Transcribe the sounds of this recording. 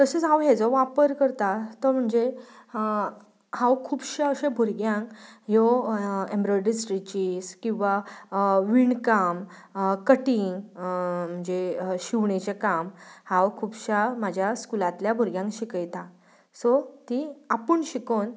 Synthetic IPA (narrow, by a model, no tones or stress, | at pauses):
t̪əset͡sɦãwɦed͡zɔʋapəɾkəɾt̪at̪əɾm̤əɳd͡ze | hãwkʰuːbɕaəɕẽbʱuɾɡjãŋkjɔẽmbɾɔjɖisʈɾit͡ɕiskĩw̃ʋa | ʋiɳkam | kəʈĩŋ | m̤əɳd͡zeɕiʋɳet͡ɕekamhãwkʰuːbɕamad͡ʑʱjaskulat̪ljabʱuɾɡjãŋkɕikəjt̪a | sɔt̪iapəɳɕikon